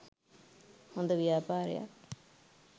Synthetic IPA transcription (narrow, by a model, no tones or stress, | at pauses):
hond̪ɐʋjaːpaːɾja̰